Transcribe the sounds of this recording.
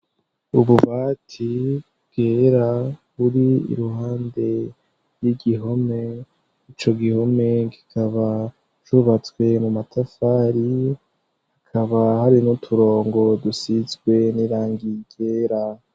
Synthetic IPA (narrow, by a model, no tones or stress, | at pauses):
uβuβaːtʰi | bɡ̥eɾa | βuɾiḭɾuɦaːnde̞ | jiɡiɦo̞me̞ | it͡ʃo̞ɡiho̞me̞ɡikʰaβa | t͡ʃuβat͡swe̞mumatʰafaːɾi | hakʰaβahaɾinutʰuɾo̞ːŋɡo̞dusizɡwe̞niɾaːŋɡiɡ̥eːɾa